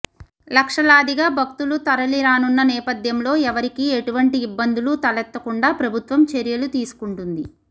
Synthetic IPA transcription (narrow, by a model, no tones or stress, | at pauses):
lɐkʂɐlaːd̪ʱiɡaːbʱɐk̚t̪ulut̪ɐɾɐliɾaːnunːɐnɛːpɐd̪jɐmlo̞ːɛʋɐɾikiːeʈuʋɐɳʈiːbːɐnd̪ulut̪ɐlɛt̪ːɐkuɳɖaːpɾɐbʱut̪ʋɐmt͡ʃeɾijɐlut̪iːsu̥kuɳʈund̪i